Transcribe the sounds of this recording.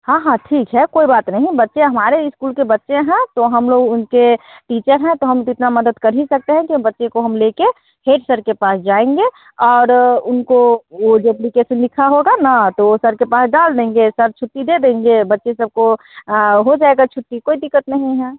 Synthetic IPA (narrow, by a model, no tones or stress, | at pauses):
hãːɦãʈʰiːkɦɛkoːibaːt̪nɐɦĩbɐtːʃẽɦɐmaːɾeɪskuːlkebɐtːʃẽɦɛ̃t̪oɦɐmloːɡʊnkeʈiːt͡ʃəɾɦɛ̃t̪oɦɐmɪt̪namɐd̪əd̪kɐɾɦisɐk̚t̪eɦɛ̃kibɐtːʃẽkoɦɐmleke | heːʈsəɾkepaːsd͡ʒaːẽŋɡe | ɔːɾʊnkooɖɛplikeʃənlɪkʰaɦoɡanat̪oosəɾkepaːsɖaːld̪ẽːŋɡesəɾt͡ʃʰʊʈ̪ːid̪ed̪ẽːŋɡebɐtːʃesɐb̚ko | ɦod͡ʒaːeɡat͡ʃʰʊt̪ːikoːid̪ɪkːət̪nəɦĩɦɛː